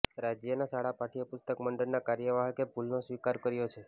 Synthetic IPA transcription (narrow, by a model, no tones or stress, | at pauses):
ɾad͡ʒjənasaɽapaʈʰijopʊst̪əkməɳɖəɾnakaɾjəʋaɦkebʱulnosʋikaɾkəɾjot͡ʃʰe